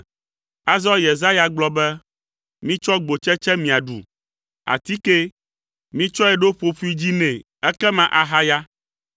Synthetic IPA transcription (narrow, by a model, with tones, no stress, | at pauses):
a˨zɔ˦je˨za˦ja˨ɡ͡blɔ˦bɛ˦ | mĩ˦t͡ʃɔ˦ɡ͡bo˨t͡ʃɛ˦t͡ʃɛ˦mĩ˨a˨ɖṵ˨ | a̰˨t̪i˦ke˦ | mĩ˦t͡ʃɔ˦ɛ˨ɖo˦ɸo˨ɸu˦i˦d͡ʑi˦nɛ̃˨ | ɛ˦kɛ˦mã˨ʔa˨ɦa˦ja˦